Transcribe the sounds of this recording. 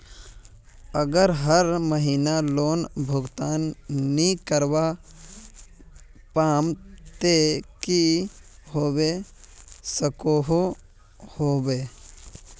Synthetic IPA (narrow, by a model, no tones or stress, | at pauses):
əɡəɾɦəɾməɦiːnaloːnbʱʊɡt̪aːnːikəɾʋa | paːmt̪ekiɦoːbe | səkoɦo | hoːbe